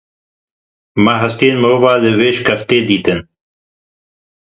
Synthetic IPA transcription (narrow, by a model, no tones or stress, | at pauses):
maɦɐst̪eːnmɨɾoːvaːləveːʃkɐft̪eːd̪iːt̪ɨn